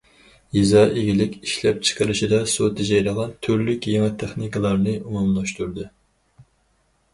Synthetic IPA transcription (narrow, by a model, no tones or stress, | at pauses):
jizɑʔeɡʲilɪkʲiʃlɛp̚t͡ʃʰə̥qəɾɨʃid̪ɑsot̪ʰɪd͡ʒɑjɾəʁɑt̪ʰyɾlykʲjeŋɛt̪ʰːeχnikɨlˠɑɾnɨumumlˠɑʃt̪uɾd̪ɨ